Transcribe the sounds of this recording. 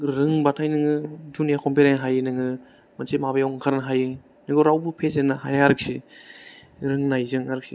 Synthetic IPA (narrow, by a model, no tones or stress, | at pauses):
ɾɯŋbatʰajnɯŋɯdunjakʰɔmpeɾenɦajɯnɯŋɯ | mansemabajawŋkʰaɾnaɦajɯ | nɯɡoɾawbɯpʰezenahajaɾɯk̚si | ɾɯŋnajzɯŋaɾɯk̚si